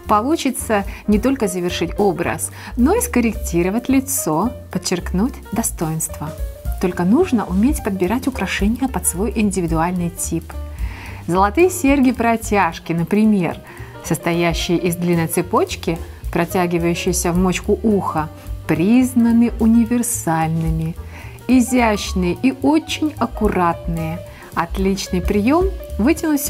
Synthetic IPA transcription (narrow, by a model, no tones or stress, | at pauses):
pɐlˠut͡ɕɪt̪sənʲɪt̪o̞lʲkəzəvʲɪrʂɨtʲo̞bɾə̰s | no̞ɪskəɾʲɪk̚tʲiɾəvətʲlʲɪt̪so̞pət͡ɕːɪrknutʲd̪ɐst̪o̞jɪnst̪vət̪o̞lʲkənuʐnəʔʊmʲetʲpəd̪̚bʲɪɾatʲʊkɾɐʂɛnʲɪjəpɐt̪svo̞jʔɪnʲdʲɪvʲɪd̪ʊalʲnɨjtʲip | zəlˠɐt̪ɨjəsʲerɡʲɪpɾɐtʲaʂkʲɪnəpɾʲɪmʲe̞̰r | səst̪ɐjæɕːɪjəʔɪzd̪lʲinːəjt̪sɨpo̞t͡ɕkʲɪ | pɾɐtʲæɡʲɪvəjʉɕːɪjsʲəvmot͡ɕkʊʔuxə | pɾʲiznənɨʔʊnʲɪvʲɪrsalʲnɨmʲɪ | ɪzʲæɕnɨjəʔio̞t͡ɕːɪnʲɐkʊɾat̪nɨjə | ɐt̪lʲit͡ɕnɨjpɾʲɪjo̞mvɨtʲɪnʊtʲ